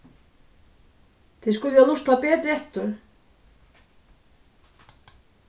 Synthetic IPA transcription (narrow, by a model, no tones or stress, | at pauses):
θʰɪskʏljɛɣlust̪apɛːt̪ɾɪɛht̪ʏɾ̥